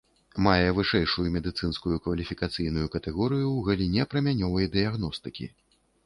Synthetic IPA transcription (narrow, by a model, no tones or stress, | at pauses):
majɛvɨʂɛjʂujumʲɛd̪ɨt̪sɨnskujukvɐlʲifʲikat̪sɨjnujukɐt̪ɛɣɔɾɨjuwɣɐlʲinʲɛpɾɐmʲanʲɔvɐjd̪ɨjaɣnɔst̪ɨkʲḭ